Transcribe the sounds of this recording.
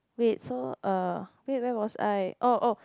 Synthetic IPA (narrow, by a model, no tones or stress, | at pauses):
wit̚soʔʌwit̚wɛwɔsa̰jʔoʔo